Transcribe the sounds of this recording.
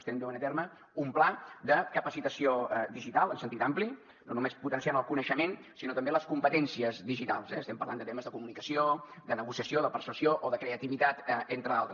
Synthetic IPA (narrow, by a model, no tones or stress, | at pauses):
st̪ɛmb̪ɛwənət̪eɾmə | umplad̪əkəpəsit̪əsioðiʒit̪alˠənsənt̪it̪ampli | nonumesput̪ənsijanəlˠkunəʃəmensinot̪əmbeləskumpət̪ɛnsiəzðiʒit̪a̰lˠsɛəst̪ɛmpərɾla̰nd̪ət̪eməzðəkumunikəsiod̪ənəɣusiəsioðəpəɾsəsioʔoðəkɾeət̪iβit̪at̪ent̪ɾəalˠt̪ɾə